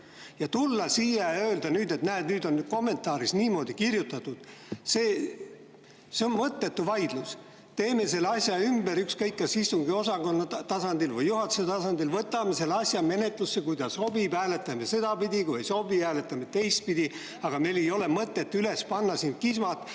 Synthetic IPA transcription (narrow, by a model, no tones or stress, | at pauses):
jɑt̪ulːɑsiːjɑøːld̪̥ɑnyːd̪e̞t̪næːnyːd̪o̞nko̞mːe̞nt̪ˑɑːɾisniːmo̞ːd̪̥ikirjut̪ːˑɑt̪ːˑud̪̥seː | seonmɤt̪ːe̞t̪ːuvɑjd̪̥lus | t̪e̞ːme̞se̞lːɑsʲjɑymbeɾykskɤjkːɑsist̪uŋɡio̞sɑko̞nːɑt̪ɑsɑnd̪ilvɤjːuɦɑt̪ːu̥set̪ɑsɑnd̪ilvɤt̪ːˑɑme̞se̞lːɑsʲjɑme̞ne̞t̪ˑlusːekujd̪̥ɑso̞b̥ipæːle̞t̪ːˑɑmese̞d̪̥ɑpid̪ʲikuejso̞biæːle̞t̪ːˑɑmet̪ːejst̪̚pid̪i | ɑɡ̥ɑme̞le̞jo̞le̞mɤt̪ːˑe̞t̪ːyle̞spɑnːɑsind̪̥̚kismɑt̪ˑ